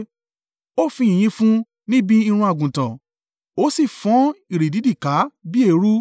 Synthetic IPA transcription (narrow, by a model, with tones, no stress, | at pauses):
o˦fĩ˧ĩ˨j̃ĩ˧fũ˦ | nĩ˦bi˦i˧ɾ̃ũ˧a˨ɡũ˨tã˨ | o˦si˦˨fɔ̃˨˦i˨ɾi˨di˨˦di˦˨ka˨˦bi˦e˦˨˦ɾu˦